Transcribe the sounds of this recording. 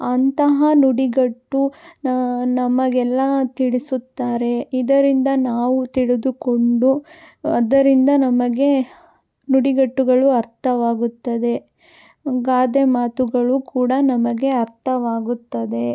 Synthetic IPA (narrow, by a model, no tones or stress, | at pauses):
ɐnt̪ɐɦɐnuɽiɡɐʈːunnɐmɐɡɛlːɐt̪iɭisut̪ːaːɾe̞id̪ɐɾind̪ɐnaːʋut̪iɭed̪uko̞ɳɖu | ɐd̪ɐɾind̪ɐnɐmɐɡe̞ | nuɽiɡɐʈːuɡɐɭuɐɾt̪ʰɐʋaːɡut̪ːɐd̪e̞ | ɡaːd̪emaːt̪uɡɐɭukuːɽɐnɐmɐɡe̞ɐɾt̪ʰɐʋaːɡut̪ːɐd̪e̞